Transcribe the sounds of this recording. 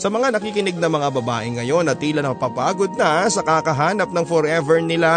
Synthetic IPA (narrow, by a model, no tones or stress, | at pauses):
sɐmɐŋanɐkiːkɪnɪɡ̚nɐŋmɐŋabɐba̰ːʔɪŋːɐjo̞nʔɐt̪ːiːlɐnɐpɐpaːɡod̪̚nɐsɐkakɐɦaːnɐp̚nɐŋfɔɾʔɛvɛɹnɪla